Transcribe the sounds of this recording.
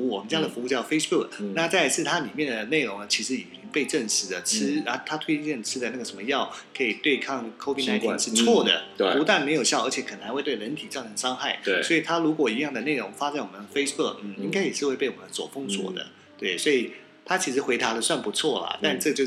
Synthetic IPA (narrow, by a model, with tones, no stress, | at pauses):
u˥˩wɔ˨˩mə˦nt͡ɕja˥d̪ə˨fu˧˥u˥˧t͡ɕjɑ˥˩ʊfe˥ɪsbu˥˩kna˥˧t͡sa˥ɪ˩ʂʰɻ̩˥˩t̪ʰa˥li˨˩mjɛ˥˩nd̪ə˩ne˥˩ɪɻo˧˥ŋnə˧t͡ɕʰi˧˥ʂɻ̩˧˥i˨˩t͡ɕi˥ŋpe˥˧ɪʈ͡ʂə˥˩ŋʂɻ̩˧˥d̪ə˨ʈ͡ʂ̩ʰ˥ə˧˥t̪ʰa˥t̪ʰwe˥i˥ɛ˥˩nʈ͡ʂʰɻ̩˥d̪ə˨˧na˥˩ɡə˩ʂə˧˥nmə˧jɑ˥˩ʊkʰɤ˧˥i˨˩t̪we˥˧ɪkʰɑ˥˩ŋkʰo˥fi˥˩na˧˥t̪ʰʂɻ̩˥˧t͡st͡sʰwɔ˥˩d̪ə̰˩pu˧˥t̪a˥˩nme˧˥ɪjo˨˩ʊɕjɑ˥˩ə˞˧˥t͡ɕʰɛ˥kʰə˨˩na˧˥xwe˥˧t̪we˥˩ɪɻə˧˥nt̪ʰi˨˩t͡sjɑ˥˩ʊʈ͡ʂʰɤ˧˥ŋʂɑ˥ŋxa˥˩ɪswɔ˧˥i˨˩t̪ʰa˥ɻu˧˥kwɔ˨˩i˧˥jɑ˥˩ŋd̪ə˩ne˥˩ɪɻʊ˧˥ŋfa˥t͡sa˥˩nwɔ˨˩mə˦nd̪ə˧fe˥ɪsbu˥˩kn̩˥˩i˥ŋka˥ɪjɛ˨˩ʂɻ̩˥˧xwe˥˧ɪpe˥˩ɪwɔ˨˩mə˦nswɔ˨˩fɤ˥ŋswɔ̰˨˥d̪ə̰˧˩ | t̪we˥˩ɪswɔ˧˥i˨˩ | t̪ʰa˥t͡ɕʰi˧˥ʂɻ̩˧˥xwe˧˥ɪt̪a˧˥d̪ə˨swa˥˩npu˧˥t͡sʰwɔ˥˩lə̰˩t̪a˥˧nʈ͡ʂɤ˥˩ɡt͡ɕjo˥˧